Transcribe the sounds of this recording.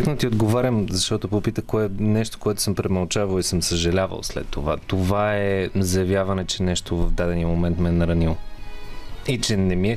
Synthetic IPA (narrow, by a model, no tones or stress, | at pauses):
knot̪iod̪ɡovaɾʲəmzɐʃt̪ɔt̪opopit̪əkoɛnɛʃt̪o̥koɛt̪ʊ̥səmpɾɛmɐlˠt͡ʃavɐlˠisɤmsəʒɐlʲavə̰lˠslɛ̰t̪ːovat̪ovaɛzɐjɐvʲjavɐnɛt͡ʃɛnɛʃt̪ovɐvd̪ad̪ɛniəmomɛnt̪mɛnɐɾɐnilˠ | it͡ʃɛnɛmiɛ